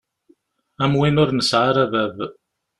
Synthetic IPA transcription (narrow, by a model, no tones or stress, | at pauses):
æmwɪnʊɾnəsʕaɾaðæð